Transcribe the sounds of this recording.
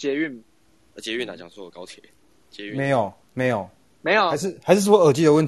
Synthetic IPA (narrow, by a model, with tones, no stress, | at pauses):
t͡ɕjɛ˧˥y˥˩n | ə˧˩t͡ɕjɛ˧˦y˥˩na̰˨˩t͡ɕja˨˩ŋt͡swɔ˥˨ə˩kɑ˥˦ʊt̪ʰjɛ˨˦ | t͡ɕjɛ˧y˥me˨˦ɪjo˨˩ʊ | me˧˦ɪjo˨˩ʊ | me˧˦ɪjo˨˩a˧˦ɪʂ̬ɻ̩˥˩xa˧ɪʂɻ̩˥˩ʂ̬̩˥˩wə˨˩t͡ɕi˥˩d̪ə˨wə˥˨nt̪